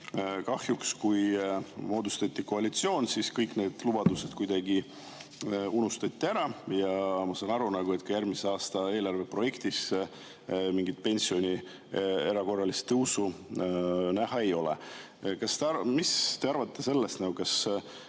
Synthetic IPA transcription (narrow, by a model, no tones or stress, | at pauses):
kɑhjukskujmo̞ːd̪ust̪ɑt̪ʲːiko̞ɑlit̪sio̞ːnsiskɤjkne̞ːd̪̥lub̥ɑd̪̥use̞d̪̥kujd̪ɑɡi | unust̪ɑt̪ʲːiæɾɑjɑmɑsɑːnɑɾunɑɡ̥uet̪kɑjærmiseɑːst̪ɑe̞ːlɑrve̞pro̞je̞kt̪is | miŋɡit̪̚pe̞nʲsio̞nʲi | e̞ɾɑko̞rːɑlist̪ːɤwsu | næɦɑe̞jo̞lḛ | kɑst̪eɑmist̪e̞ɑɾvɑt̪ːˑe̞se̞lːe̞st̪nɑɡukɑs